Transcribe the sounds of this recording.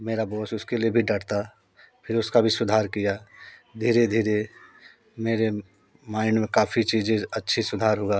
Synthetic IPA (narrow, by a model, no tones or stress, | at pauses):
meːɾaboːsʊskeliebʱiɖəʈt̪a | pʰɪɾʊskabʱisʊd̪ʱaːɾkijad̪ʱiːɾed̪ʱiːɾe | meːɾe | maːɪnmẽkaːpʰit͡ʃiːd͡ʒẽɐtːʃʰisʊd̪ʱaːɾɦoɡaː